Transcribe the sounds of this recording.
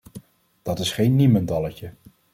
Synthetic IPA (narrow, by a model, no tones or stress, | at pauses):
d̥ɑtɪsχejnːiməndɑləcə